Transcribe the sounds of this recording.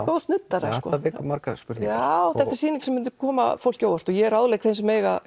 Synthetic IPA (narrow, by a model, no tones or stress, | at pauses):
kost̪nʏt̪ːaɾaskɔ̰vɪːkʏmaɾkaspʏɾawθɛht̪aɾ̥siːniŋksɛmːɪnt̪̬ɪ̥kʰɔːma̰fowl̥coːwvaɾ̥t̪ɔjɛɛɾawðlejkθejnsɛmːeːjɣa̰